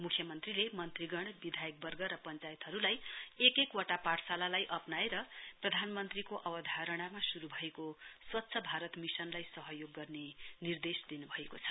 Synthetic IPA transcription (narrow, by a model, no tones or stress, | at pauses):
mukʰjʌmʌnt̪rilemʌnt̪riɡʌɽ̃bid̪ʱajʌk̚bʌrɡʌɾʌpʌnt͡sajet̪ɦʌɾulajekekwʌʈapaʈsalalajʔʌpnaeɾʌprʌd̪ʱanmʌnt̪rikoʔʌbʌd̪ʱaɾʌɽ̃amasuɾubʱʌekoswʌtːsʰʌbʱaɾʌt̪misʌnlajsʌɦʌjoɡːʌrnenird̪esd̪inubʱʌekot͡sʰʌ̥